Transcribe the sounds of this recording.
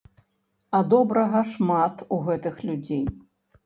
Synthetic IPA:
ɐd̪ɔbɾɐɣɐʂmat̪uɣɛt̪ɨxlʲud͡zʲej

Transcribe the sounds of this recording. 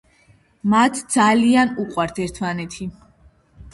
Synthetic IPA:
mat̪ʰd̪zalianuqʼwaɾt̪ʰɛɾt̪ʰmanɛt̪ʰi

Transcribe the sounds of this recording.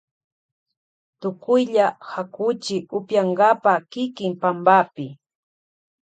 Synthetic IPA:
t̪ʊkʊjʎahakʊt͡ʃɪʊpjaɴɡapakɪkɪmpambapɪ

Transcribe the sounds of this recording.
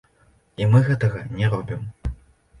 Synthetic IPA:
imɨɣɛt̪ɐɣɐnʲɛɾɔbʲim

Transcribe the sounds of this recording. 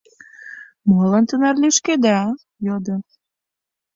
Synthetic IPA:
molənt̪ənɑrlyʃked̪ɑ | jod̪ə

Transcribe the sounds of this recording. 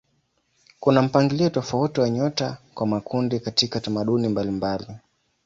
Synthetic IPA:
kunam̩paŋɡiliɔtɔfautiwaɲɔtakwamakʰundikatikatamaɗunimbalimbali

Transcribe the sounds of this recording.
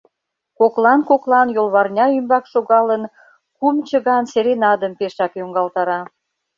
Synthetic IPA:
koklɑnkoklɑnjolβɑrnʲɑymbɑkʃoɣɑlən | kumt͡ɕəɣɑnseɾenɑd̪əmpeʃɑkjoŋɡɑlt̪ɑɾɑ

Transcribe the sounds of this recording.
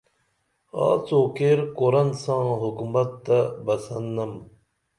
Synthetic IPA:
a̰ːt͡soːkeːɾkoɾɐnsãːɦukumɐt̪ːɐbɐsɐnːɐm

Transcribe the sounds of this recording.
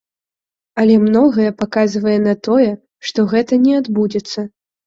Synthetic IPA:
ɐlʲɛmnɔɣɐjɛpakazvɐjɛnat̪ɔjɛ | ʂt̪ɔɣɛt̪ɐnʲɛad̪bud͡zʲɛt̪sːɐ

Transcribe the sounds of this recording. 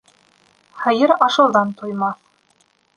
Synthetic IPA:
hɤ̆jɤɾɑʃɤ̆w̪ˠðɑnt̪ujmɑθ

